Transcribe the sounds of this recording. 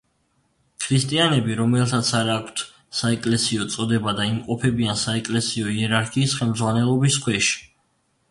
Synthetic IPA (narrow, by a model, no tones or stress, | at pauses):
kʰɾist̪ʼianɛbiɾɔmɛlˠt̪ʰat̪sʰaɾaːkʷʰt̪ʰ | saɛkʼlɛsiɔt̪sʼɔd̪ɛbad̪aimqʼɔpʰɛbiansaɛkʼlɛsiɔiɛɾaɾkʰiːsχɛlˠmd̪zʁwanɛlˠɔbiskʰwɛʃi̥